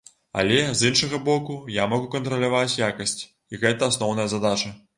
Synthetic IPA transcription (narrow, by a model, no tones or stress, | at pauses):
a̰lʲɛzinʂɐɣɐbɔkujamɐɣukɐnt̪ɾɐlʲavat͡sʲjakɐsʲt͡sʲ | iɣɛt̪ɐːsnɔwnɐjɐzad̪at͡ʂɐ